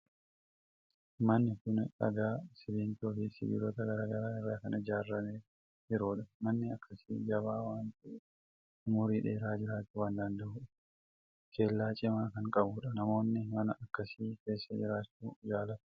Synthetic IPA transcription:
mɐnːɪkʊnɐ̰ɡaːsɪbiːnt̪oːfɪsɪ̰bḭːɾɔt̪ɐɡɐɾaːɡɐɾaːɪrːaːkɐnɐɪd͡ʒaːrːɐmeː | hɪɾoːᶑɐmɐnːɪɐkʰːɐsiːd͡ʒɐβaːwaːnt̪ɪ | mʊɾiːᶑeːɾaːd͡ʒɪɾaːt̪ːɪwaːnd̪ɐnd̪ɐʔʊːᶑɐ | ke̞ːlːaːt͡ʃʼɪmaːkɐŋkʼɐbʊᶑɐnɐmo̞ːnːɪmɐnɐʔɐkːɐsiːke̞ːsːɐd͡ʒɪɾaːt͡ʃːuːd͡ʒaːlɐt̪

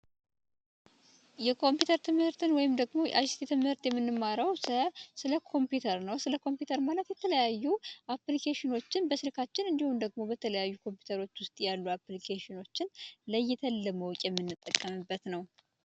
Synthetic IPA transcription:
jɛkʰo̞mpjut̪ʰəɾt̪ʰɨmhɨɾt̪ʰɨnwɔjɪmd̪əɡmo̞jʔajsi̥t̪ʰit̪ʰɨmhɨɾt̪jɛmːɨnːɨmːaɾəwsəsɨləkʰo̞mpjut̪ʰəɾnəwsɨləkʰo̞mpjut̪ʰəɾmalət̪jɛt̪ʰələjajːuʔaplikʰeʃɪno̞t͡ʃːɪnbəsɨlkʰat͡ʃːɪnɨnd̪ihumd̪əɡ̚mo̞bət̪ʰələjajːukʰo̞mpʰju̥t̪ʰəɾo̞t͡ʃːwʊst̪ʼjalːuaplikʰeʃɪno̞t͡ʃːɪnləjːɛt̪ʰəlːəməwkʼjɛmːɨnːɨt̪ʼːəkʼːəmɨbːət̪nəw

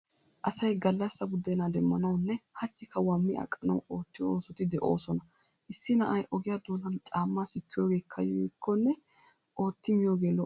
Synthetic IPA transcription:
ʔɐsɐjɡɐlːɐsːɐɡʊd̪ɛnad̪ɛmːɐnɐwnːɛhɐt͡ʃːɪkːɐwɐmːɪɐ̰kʼːɐnɐ̰wo̞ːt̪ːɪjooːsɔt̪ɪd̪ɛʔo̞̰ːsɔnɐ | ʔɪsːɪnɐʔɐjʔɔɡɪjad̪oːnɐnt͡ʃʼaːmːaːsɪkːɪjo̞ːɡe̞ːkʰːɐ̰jikʰːɔnːɛ | ʔo̞ːt̪ːɪmɪjoːɡeːlɔ

